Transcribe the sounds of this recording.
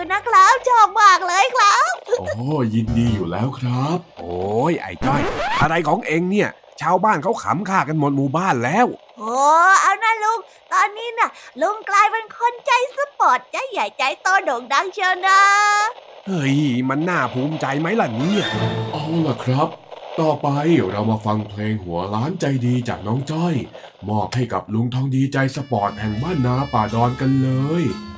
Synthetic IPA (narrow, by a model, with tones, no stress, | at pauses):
na˧˥˩kʰlaː˧˥wt͡ɕɔː˧˩maː˨˩k̚ləː˧jkʰlaː˧˥ɔː˨˦˧ji˧ndiː˧juː˨˩lɛ̰ː˦˥wkʰɾa˦˥p̚ʔoː˨˩jʔa̰˨˩jt͡ɕɔ˧˩jʰa˧ɾa˧jkʰɔː˨˦ŋʔe˧ŋni˧˩ə | t͡ɕʰaː˧wbaː˥˩nkʰa˦˥wkʰa̰˨˦mkʰaː˧˩ka˧nmo˨˩t̪̚muː˧˩baː˧˥˩nlɛː˦˥˨w | ʔɔː˨˩ʔaː˧wna˧˥lu˧əŋ | t̪ɔː˧ni˧na˧˩lu˧əŋklaː˧jwa˧nkʰo˧nt͡ɕa˧˩jsɨ˦˥p̚pːɔː˨˩t̪̚t͡ɕa˨˥za˨˩jt͡ɕa˨˩jt̪ɔ˧noː˨˩ŋɗa˧˥ŋt͡ɕəː˧naː˧˥ | hɤ˧˥˩jma˧nːaː˥˩pʰuː˧˥mt͡ɕa˧jma˦˥jla˨˩ni˦˥˩ɐ˨ʔa˧˩wlɛ˨˩kʰɾa˦˥p̚t̪ɔː˧pa˧jiː˨˩˦wɾa˧wmaː˧fa˧ŋpʰleː˧ŋhu˩˦əlaː˦˥nt͡ɕa˧jdiː˧t͡ɕaː˨˩k̚nɔː˦˥ŋt͡ɕɔ˥˩j | mɔː˧˩p̚ha˥˩jka̰˨˩p̚lu˧ŋt̪ʰɔ˧ŋdiː˧t͡ɕa˧jsa˧pɔː˨˩t̪̚hɛ˨˩ŋmaː˥˩nːaː˧paː˨˩dɔː˧nka˧nlɤː˧j